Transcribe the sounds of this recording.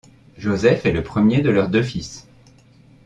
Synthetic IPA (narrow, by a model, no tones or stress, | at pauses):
ʒozɛfɛləpχəmjed̪əlœʁd̪øfis